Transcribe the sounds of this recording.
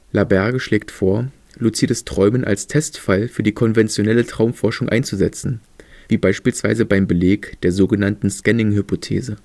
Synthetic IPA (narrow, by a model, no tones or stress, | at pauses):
labɛɐɡəʃleːk̚tfoːɐ | lut͡siːdəstʁ̥ɔʏmənʔa̰lstʰɛstfalfyːɐdiːkʰɔnvɛnt͡sjonɛlətʁ̥aʊmfɔɐʃʊŋʔa̰ɪnt͡suzɛt͡sn̩viːbaɪʃpiːlsv̥a̰ɪzəbaɪmbəleːkd̥eːɐzoːɡənantn̩skɛnɪŋhypʰotʰḛːzə